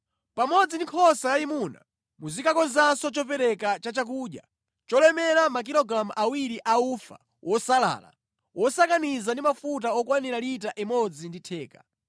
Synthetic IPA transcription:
pamɔd͡zindikʰɔsajaimuna̰ | muzikakɔnzasɔt͡ʃɔpɛɾɛkat͡ʃat͡ʃak̬uːɗja̰ | t͡ʃɔlɛmɛlamak̬ilɔɡɾamuʔawiɾiʔaufa̰ | wʔɔsala̰ːla̰ | wʔɔsakanizandimafut̬aɔkwaniɾalitaʔɛmɔd͡zinditʰɛːka

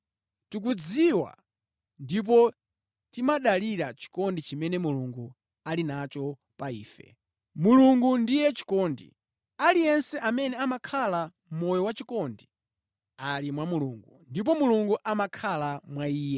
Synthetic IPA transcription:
tuk̬ud͡ziwa̰ | ndip̬ɔ | timaɗaliɾat͡ʃi̥kɔndit͡ʃimɛnɛmuluŋɡu | alinat͡ʃɔ | paiːfɛ̰ | muluŋɡundijɛt͡ʃi̥kɔndḭ | alijɛnsɛʔamɛnɛamakʰala | m̩mɔjɔwat͡ʃikɔndi | alimwamuluŋɡundip̬ɔmuluŋɡuʔamakʰalamwaiːjɛ

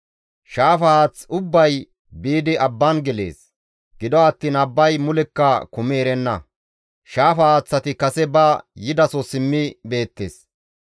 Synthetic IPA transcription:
ʃaːfɐaːt͡sʊbːɐj | biːd̪ɪʔɐbːɐnɡɛle̞̰ːs | ɡɪd̪ɔɐt̪ːiːnɐbːɐjmʊlɛkːɐkʊmeːɾɛnːɐ̰ | ʃaːfɐːt͡sːɐt̪ɪkɐsɛbɐjɪd̪ɐsɔsɪmːɪbe̞ːt̪ːḛːs

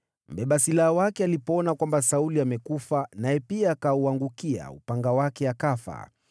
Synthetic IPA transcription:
m̩bɛɓasilaawakɛalipɔɔnakwambasauliamɛkufanajɛpiaːkauaŋɡukia̰upaŋɡawakɛakafa̰

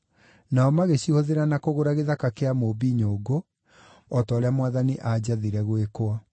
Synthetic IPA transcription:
naɔmaɣeɕihoðeɾanakoɣoɾaɣeðakakeamoːbiɲoːɡo | ɔtɔːɾeamwaðaniʔad͡ʑaðiɾɛɣwekoa

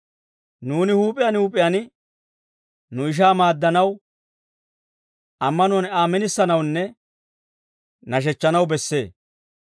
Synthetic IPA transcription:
nuːnɪhuːpʼɪjɐnhuːpʼɪjɐnɪ | nʊɪʃ̬aːmaːd̪ːɐnɐw | ʔɐmːɐnʊɐnaːmːɛnɪsːɐnɐwnːɛ | nɐʃ̬ɛt͡ʃːɐnɐwbɛsːe̞ː

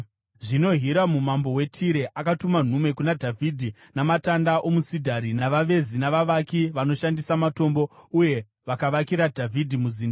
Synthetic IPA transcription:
ʐino̞ɦiɾamumambo̞we̞tʰiɾe̞ʔakatuman̤ume̞kunadʱavʱidʱi | namatandaʔo̞musidʱaɾinaʋaʋe̞zinaʋaʋakiʋano̞ʃandisamato̞mbo̞uje̞ | ʋakaʋakiɾadʱavʱidʱimuziːnda

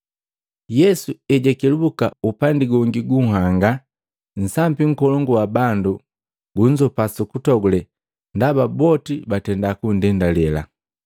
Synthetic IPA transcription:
jɛsuɛɟɛkɛlubukaupandiɡɔŋɡiɡuŋ̩ɦaŋɡa | n̩sambiŋ̩kɔlɔŋɡuwabandu | ɡuɲd͡ʒɔpasukutɔɡulɛ | ndababɔtibatɛndakundɛndalɛla̰

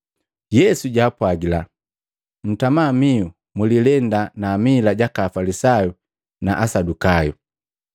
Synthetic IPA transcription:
jɛsuɟaːpwaɡila | m̩tamamiu | mulilɛndanaːmilaɟakaːfalisaju | na̰ʔasadukajṵ

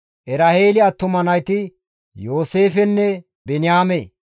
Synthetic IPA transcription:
ʔɛɾɐheːlɪɐt̪ːʊmɐnɐjt̪ɪ | jo̞ːse̞ːfɛnːɛ | bɛnɪjaːme

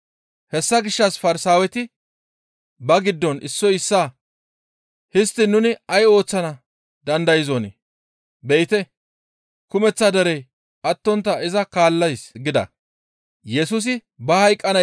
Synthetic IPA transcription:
hɛsːɐɡɪʃːɐsfɐɾɪsaːwɛt̪ɪ | bɐɡɪd̪ːɔnʔɪsːɔjɪsːaː | hɪst̪ːɪnʊnɪɐjo̞ːt͡sːɐnɐ | d̪ɐnd̪ɐjɪzone | bɛjɪt̪ɛ | kʊmɛt͡sːad̪ɐɾɛj | ʔɐt̪ːɔnt̪ːɐɪzɐkaːlːɐjsɡɪd̪ɐ̰ | jɛsʊs̬ɪ | bɐhɐjkʼːɐnɐ

